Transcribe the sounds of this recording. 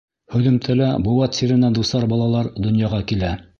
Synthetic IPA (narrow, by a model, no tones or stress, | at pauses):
hɵ̆ðɘ̆mt̪ʰælæbuwɑt̪siɾɘ̆næd̪usɑɾbɑlˠɑlˠɑɾd̪ŏnjɑʁɑkilæ